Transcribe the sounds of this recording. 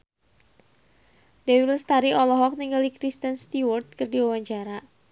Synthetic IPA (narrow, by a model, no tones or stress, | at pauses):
dɛwilst̪aɾiɔlɔɦɔk̚niŋɡaldikɾist̪ənst̪iwɔrt̪̚kərdiwawaɲt͡ʃaɾa